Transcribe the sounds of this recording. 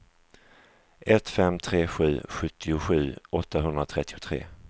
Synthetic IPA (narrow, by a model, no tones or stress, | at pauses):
ʔɛt̪fɛmt̪ʰɾeːɧʉ̟̰ːɧɵt̪ʰːɪʊɧʉ̟ːʔɔt̪ːaɦɵnd̪ɾat̪ʰɾɛt̪ːɪʊt̪ʰɾḛː